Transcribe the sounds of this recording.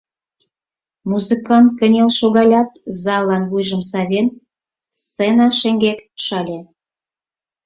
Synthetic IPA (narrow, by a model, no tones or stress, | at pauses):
muzɨkɑnt̪̚kə̆nʲelʃoɣɑlʲɑt̪zɑlːɑnβujʒəmsɑβʲen | st͡senɑʃeŋɡekʃɑlʲe